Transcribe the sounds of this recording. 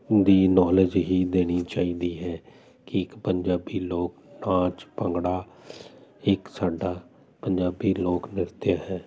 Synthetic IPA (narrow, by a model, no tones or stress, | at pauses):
d̪iːnɔːləd͡ʒɦiːd̪eːɽ̃iːt͡ʃaːiːd̪iːɦɛː | kɪɪkpəɲd͡ʒaːbiːloːknãːt͡ʃpəŋɡɽaː | ɪksaːɖaː | pəɲd͡ʒaːbiːloːknɪɾt̪jaːɦɛː